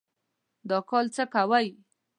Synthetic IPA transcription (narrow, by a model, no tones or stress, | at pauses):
d̪ɑkɔlt͡səkawaj